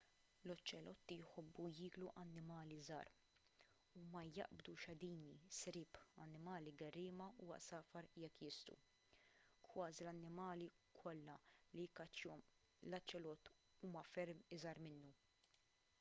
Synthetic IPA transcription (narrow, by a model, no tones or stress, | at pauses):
lɔt͡ʃːɛlɔt̪ːijħɔbːujɪːɡluʔɐnːɪmɐːlizɐ̰ːɾ | umɐjɐ̰ʔbd̪uʃɐd̪iːnisɾɪːpɐ̰nːɪmɐːliɡɐrːɪːmɐuɐ̰ʔsɐːfɐɾjɛkːjɪst̪ṵ | kʰwɐːzilɐnːɪmɐːli | kʰɔlːɐlikɐt͡ʃːɔm | lɐt͡ʃːɛlɔt̪ː | uːmɐfɛɾmɪzɐɾmɪnːu